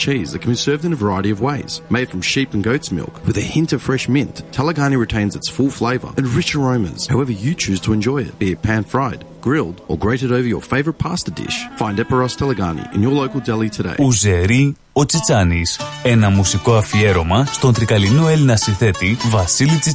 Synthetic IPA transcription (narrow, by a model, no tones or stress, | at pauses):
t͡ʃʰizðɨtkʰə̃mbisɜ˞vzɨ̃nəvə˞aɪəɾiʌvweɪz̥meɪd̥fɹʌ̃mʃipnɡoʊtsmɪ̰lˠkwɨðɨhɪ̃ntʌv̥fɹɛʃmɪ̃nθtʰɛlˠəɡɑniɹɨtʰẽɪ̃nzɨtsfʊlˠfleɪvə̰˞ɨ̃nɹɪt͡ʃəɹõʊ̃mɨ̰̃nz̥haʊɛvə˞jɨt͡ʃʰʉz̥tʰəɨ̃nd͡ʒɔɪɪ̰t̚b̥iɨpʰæ̃nfɹaɪd | ɡ̥ɹɪlˠdə̰˞ɡɹeɪɾɨɾoʊvə˞jə̰˞feɪvə˞ət̚pʰæstədɪ̰ʃfãɪ̃ndɛpə˞ɔstʰɛlˠəɡɑ̰nḭʔɨ̰̃njə˞loʊkəl̩ˠdɛlˠitʰɨdḛɪuzeɾi | ot͡sit͡sɐnisenɐmusiko̞ɐfieɾomɐst̪ont̪ɾikɐlinoelinɐsĩnθet̪ivɐsilit͡si